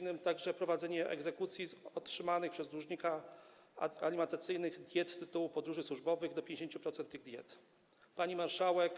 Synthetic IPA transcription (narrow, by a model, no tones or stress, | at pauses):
nɘmt̪aɡʐɛpɾɔvad̪zɛɲɛʔɛ̰ɡzɛkut̪sʲjiɔtʂɘmanɘxpʂɛzɾuʐɲika | alʲimɛnt̪at̪sɘjnɘɣd̪ʲjɛt̪st̪ɘt̪uwupɔd̪ɾuʐɘswuʐbɔvɘɣd̪ɔpʲjeɲd͡ʑeɕeɲt͡ɕupɾɔt̪sɛnt̪ːɘɣd̪ʲjɛ̰t̪ | paɲimaɾʂawɛk